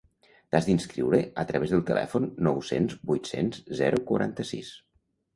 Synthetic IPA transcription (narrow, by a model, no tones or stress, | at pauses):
t̪azðinskɾiwɾəət̪ɾəβezðəlˠt̪əlʔɛ̰funːɔwsenzbujt̪sḛnzzɛɾukuɾʔant̪əsḭs